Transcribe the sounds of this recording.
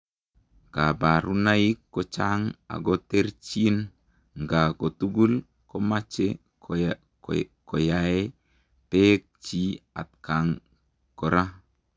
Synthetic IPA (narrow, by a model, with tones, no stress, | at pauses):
ɡa˨ba˨ɾu˦na˦i˦kːo˦t͡ʃa˦ŋa̰˨ɡɔ˦te˦ɾt͡ʃi˦n | ŋɡa˨ko˨tu˦ɡu˦l | ko˦ma˦t͡ʃe˦ | ko˨jae˦ | pe˦k̚t͡ʃi˦a̰˨t̚ka˨ŋ | ko˨ɾa˦